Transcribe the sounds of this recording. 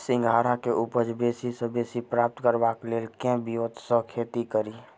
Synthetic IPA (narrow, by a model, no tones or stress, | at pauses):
sɪ̃ŋɡʱaːɾakeʔʊpəd͡ʒbeːsisebeːsipɾaːp̚t̪kəɾʋakleːlkɛ̃bijoːt̪sə̃kʰeːt̪ikəɾiː